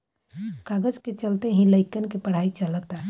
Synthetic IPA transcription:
kaɡəd͡ʒket͡ʃəlt̪eɦĩləɪkənkepəɽ̤ait͡ʃələt̪a

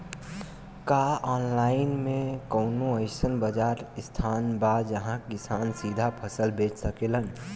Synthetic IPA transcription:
kaɔːnlaːɪnmẽkəʊnoəɪsənbəd͡ʒaːɾst̪ʰaːnbad͡ʒəɦãkɪsaːnsiːd̪ʱapʰəsəlbeːt͡ʃsəkeːlən

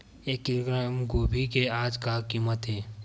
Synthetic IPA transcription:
eːkːiɾɡɾamɡoːbʱikeaːd͡ʒkakiːmət̪ɦeː

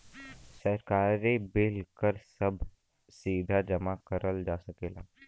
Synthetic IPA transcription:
sɐɾkaːɾebɪlkəɾsɐbʱ | siːd̪ʱad͡ʒɐmakɐɾʔəld͡ʒaːsɐkeːlaː

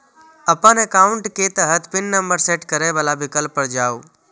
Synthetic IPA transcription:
əpanekaːʊɳʈket̪əɦət̪ʰpɪnːəmbəɾseːʈkəɾɛʋalabɪkəlpːəɾd͡ʒaːo

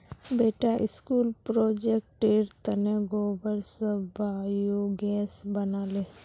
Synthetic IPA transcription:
beːʈaʔɪ̰skuːlpɾoːd͡ʒek̚ʈeɾt̪ɐneɡoːbəɾsəbʱaːjoɡɛːsbɐnaːleː

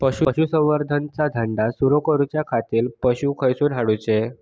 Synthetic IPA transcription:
pəɕuɕusə̃w̃ʋəɾd̪ʱənt͡sad̪ʱəɳɖasuɾokəɾut͡ɕjakʰat̪iːlpəɕuːkʰəjsũɽʱaɽut͡ɕe

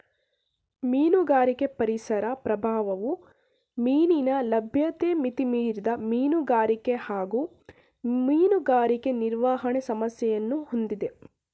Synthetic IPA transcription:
miːnuɡaːɾike̞pɐɾisɐɾɐpɾɐbʱaːʋɐʋu | miːninɐlɐbʱjɐt̪eːmit̪imiːɾid̪ɐmiːnuɡaːɾikehaːɡu | miːnuɡaːɾike̞niɾʋaːɦɐɳesɐmɐsjɛjɐnːuhond̪id̪e̞

